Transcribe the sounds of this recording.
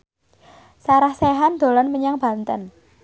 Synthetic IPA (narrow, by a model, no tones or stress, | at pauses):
saɾahseɦand̪̥o̤lɔnməɲaŋb̥a̤nt̪ə̰n